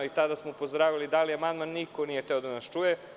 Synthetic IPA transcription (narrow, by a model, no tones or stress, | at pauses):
it̪ad̪asmoupozd̪ɾaːʋilid̪aliamand̪manːikonijet̪e̞o̞d̪anast͡ʃuje